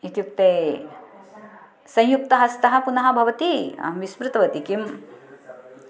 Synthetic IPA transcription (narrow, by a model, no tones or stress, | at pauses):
it̪juk̚t̪eː | sɐ̃j̃juk̚t̪ɐɦɐst̪ɐɦɐ̆kunɐɦɐ̆bʱɐʋɐt̪iɐ̰ʋismɾɪt̪ɐʋɐt̪ikim